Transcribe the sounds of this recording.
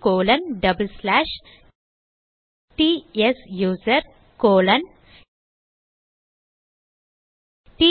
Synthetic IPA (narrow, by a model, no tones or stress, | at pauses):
koːlɐ̃nɖɐbəlslæːʃ | ʈiːesjuːzɐɾ | koːlɐn | ʈiː